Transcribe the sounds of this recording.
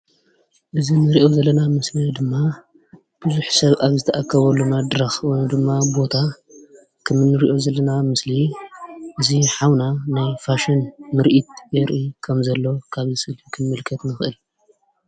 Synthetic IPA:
ʔɨzinɨɾiʔo̞zɐlːɐnamɨslɐd̪ɨmːa | b̥ɨzuħsɐβʔaβzɨt̪ʰɐʔakʰːɐβɐlːumad̪ɾɐxwond̪ɨmːabo̞t̪ʰa | kʰɐmɨnːɨɾiʔo̞zɐlːɐnamɨsli | ʔɨziħawnanajfaʃɐnmɨɾʔit̪̚jɛɾʔikʰɐmzɐlːo̞kʰaβzɨsɨlfikʰɨnmɨlkʰɐt̪nɨxʔɨl

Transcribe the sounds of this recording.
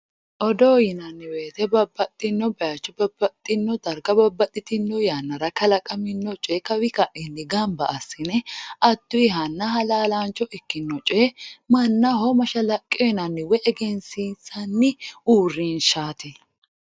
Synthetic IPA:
ʔɔd̪oːjɪnɐnːɪwe̞ːt̪ɛbɐbːɐt̪ʼːɪnːɔbɛɐt͡ʃːɔbɐbːɐt̪ʼːɪnːɔd̪ɐɾɡɐbɐbːɐt̪ʼːɪt̪ɪnːɔjaːnːɐɾɐkɐlɐkʼɐmɪnːɔt͡ʃʼɛːkɐwɪkɐʔɛnːɪɡɐmbɐʔːsːɪnɛʔɐd̪̥ːʊɪɦɐnːɐɦɐlaːlaːnt͡ʃʼːɔɪkːɪnːɔt͡ʃʼemɐnːɐɦɔmɐʃɐlɐkʼːɔnɐnːɪwɛʔɛɡɛnsisɐnːɪʔuːrːinʃaːt̪ɛ

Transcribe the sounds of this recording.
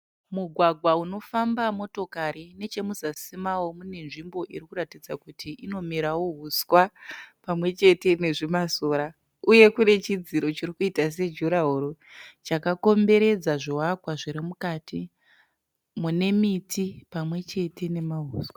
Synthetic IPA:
muɡʱwaɡʱwauno̞fambamo̞to̞kaɾine̞t͡ʃe̞musasimawo̞mune̞nʐimbo̞ʔiɾikuratid͡zakutʰiino̞miɾawo̞ɦuswapamwe̞t͡ʃe̞te̞ne̞ʐimasoːɾa | uje̞kune̞t͡ʃid͡ziɾo̞t͡ʃirikuitas̬e̞d͡ʒuɾaɦuɾo | t͡ʃakako̞mbe̞ɾe̞d͡zaʐowakwaʐiɾimukatʰi | mune̞mitʰipamwe̞t͡ʃe̞te̞ne̞maɦuːskwḁ

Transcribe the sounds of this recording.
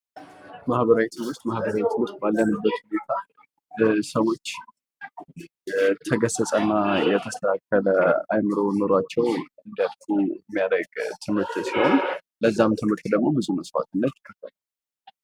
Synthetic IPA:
mahβəɾawit̪ʰɨmɨst̪mahbəɾawit̪ʰɨmɨɾt̪̚balːənɨbːət̪hunet̪ʰa | səwo̞t͡ʃː | t̪ʰəɡəsəsʼənːajɛt̪ʰəst̪ʰakːələa̰jmɨɾo̞noɾat͡ʃːɛwɨnd̪ijalkuɛmːijaɾəɡt̪ʰɨmɨɾt̪ʰsihon | ləzːamt̪ʰɨmɨɾt̪d̪əɡmo̞bɨzuməsfa̰t̪ɨnːət̪ːkʰʼːəfəla

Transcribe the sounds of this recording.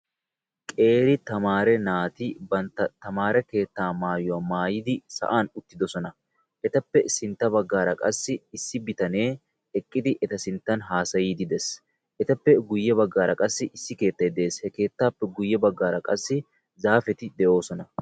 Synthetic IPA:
kʼe̞ːɾɪt̪ɐmaːɾɛnaːt̪ɪbɐnt̪ːɐt̪ːɐmaːɾɛke̞ːt̪ːaːmaːjʊwamaːjɪd̪ɪsɐ̰ʔaːnʊt̪ːɪd̪ɔsɔnɐ | ʔɛt̪ɐpːɛsɪnt̪ːɐbɐɡːaːɾɐkʼɐsːɪɪsːɪbɪt̪ɐne̞ː | ɛkʼːɪd̪ɪʔɛt̪ɐsɪnt̪ːɐnɦaːsɐjiːd̪ɪd̪ɛs | ʔɛt̪ɐpːɛɡʊjːɛbɐɡːaːɾɐkʼɐsːɪʔɪsːɪke̞ːt̪ːɐjd̪eːshɛke̞ːt̪ːaːpːɛɡʊjːɛbɐɡːaːɾɐkʼɐsːɪ | zaːfɛt̪ɪd̪ɛʔo̞ːsɔnɐ

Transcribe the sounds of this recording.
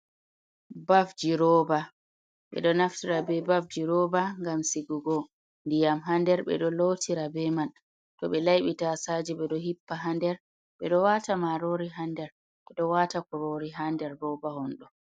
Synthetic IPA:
bafd͡ʒiɾɔba | ɓɛ̰ɗɔnaftiɾabɛbafd͡ʒiɾɔbaŋɡamsiɡuɡɔ | ndijamɦandɛɾbɛ̰ɗɔlowtʰiɾabɛman | tɔɓɛlajɓitasad͡ʒiɓɛɗɔhipːaɦandɛɾ | ɓɛɗɔwatamaɾoɾiɦandɛɾ | ɓɛɗɔwatakɔɾoɾiɦandɛɾːɔbahɔnɗɔ

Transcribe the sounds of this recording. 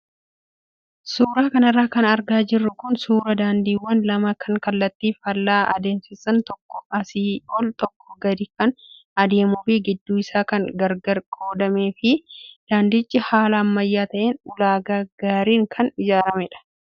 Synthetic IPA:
suːɾaːkɐnɐrːaːkɐnɐɾɡaːd͡ʒɪrːʊkʊnsuːɾɐd̪aːnd̪iːwːɐnlɐmɐkʰɐŋkɐlːɐt̪ːiːfɐlːaːʔɐ̰d̪eːnsɪsɐnt̪ɔkːɔɐsiːɔlt̪ɔkːɔ̥ɡɐd̪ɪkɐn | ɐd̪e̞ːmʊbiːɡɪd̪ːuːɪsaːkɐŋɡɐɾɡɐɾkʼoːd̪ɐmeːfɪd̪̥aːnd̪ɪt͡ʃʼːɪhaːlɐːmːɐjːaːt̪ɐʔeːnʊlaːɡɐɡ̥aːɾiːŋkʰɐnɪd͡ʒaːɾɐmɛᶑɐ̥

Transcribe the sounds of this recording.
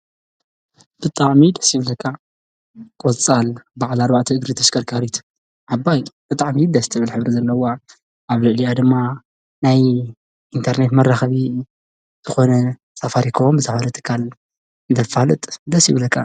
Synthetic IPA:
b̥ɨt̪ʼaʕmid̪ɐsjɨβlɐkʰːa | kʼot͡sʼalbaʕalaɾbaʕt̪ʰɨɨɡɾit̪ʰɐskʰɐɾkʰaɾit̪ | ʕabːajb̥ɨt̪ʼaʕmid̪ɐst̪ʰɨβɨlħɨβɾizɐlːɐwa | ʔaβlɨʕlijad̪ɨmːa | naj | ʔint̪ʰɐɾne̞t̪mɐrːaxɐβi | z̥ɨxo̞nɐ | safaɾikʰɐβombɨzʰɐfalɐt̪ʰɨ̥kʰːal | ɨnt̪ʰɐfalɨt̪ʼd̪ɐsjɪβlɐkʰːa̰

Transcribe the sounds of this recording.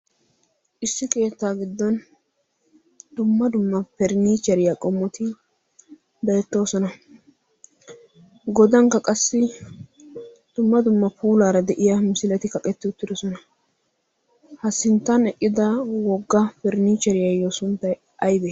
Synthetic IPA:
ʔɪsːɪke̞ːt̪ːaːɡɪd̪ːɔn | d̪̥ʊmːɐd̪ʊmːɐpɛɾniːt͡ʃːɛɾɪjakʼɔmːɔt̪ɪ | be̞ːt̪ːo̞ːsɔnɐ | ɡɔd̪ɐŋkːɐkʼɐsːɪ | d̪̥ʊmːɐd̪ʊmːɐpuːlaːɾɐd̪ɛʔɪjɐmɪsɪlɛt̪ɪkɐkʼɛt̪ːɪʊt̪ːɪd̪ɔsɔnɐ | hɐsɪnt̪ːɐnɛkʼːɪd̪ɐwɔɡːɐpɛɾniːt͡ʃːɛɾɪjajɔsʊnt̪ːɐj | ɐjbe

